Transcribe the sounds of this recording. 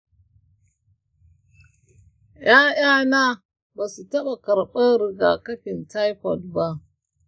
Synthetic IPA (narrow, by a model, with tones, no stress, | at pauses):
ja˦ja˦na˦ | ba˨su˨tɐ˦ɓa˨kɐ˨ɾɓɐ˦ɾi˨ɡa̰˨kɐ˦ɸɪ˨nta˦jɸɔ˨lba˦ʔ